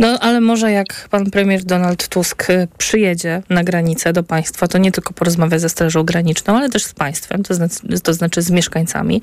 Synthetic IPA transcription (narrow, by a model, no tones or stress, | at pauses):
nɔʔalɛmɔʐɛjakpanpɾɛmʲjɛɾd̪ɔnalt̪ːuskpʂɘjɛd͡ʑɛnaɡɾaɲit̪sɛd̪ɔpaj̃st̪fat̪ɔɲɛt̪ɘlkɔpɔɾɔzmavʲjazɛst̪ɾaʐɔ̃w̃ɡɾaɲit͡ʂnɔ̃w̃alɛt̪ɛʂspaj̃st̪fɛ̰mt̪ɔznat̪ɔznat͡ʂɘzmʲjɛʂkaɲt̪sa̰mʲḭ